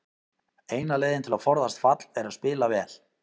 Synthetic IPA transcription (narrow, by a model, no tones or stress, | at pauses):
eːjnaleːjðɪnt̪ʰɪlafɔɾðast̪fat̪lɛɾaðspɪːlavɛːl